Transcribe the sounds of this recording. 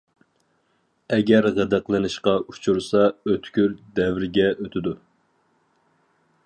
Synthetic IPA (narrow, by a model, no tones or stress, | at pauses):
ɛɡʲɛɾʁæd̪æqlˠɨnɨʃqɑʔu̥t͡ʃʰuɾsɑøt̪ʰkʲyɾd̪ɛvɾɡʲɛʔøt̪ʰɪd̪u